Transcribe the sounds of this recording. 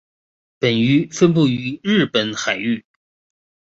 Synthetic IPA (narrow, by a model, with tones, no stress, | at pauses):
pə˨˩ny˧˥fə˥np̬u˥˩y˧˥ɻɻ̩˥˩pə˨˧˥nxa˨˩ɪy˥˩